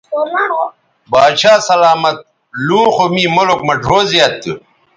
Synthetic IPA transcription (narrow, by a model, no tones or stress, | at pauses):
baːɕʰaːsɐlaːmɐt̪̚ | luːxomiːmolokmɐɖʱoːzijɐt̪ːɨ